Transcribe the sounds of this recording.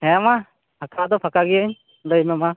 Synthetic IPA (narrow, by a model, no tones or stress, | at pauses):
hɛma | pʰakʰad̪ɔpʰakaɡijəɲ | ləjmɛma